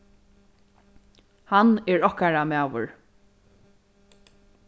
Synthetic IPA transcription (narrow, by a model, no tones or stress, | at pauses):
hanɛɹɔhkaɹamaːʋʊ̰ɹ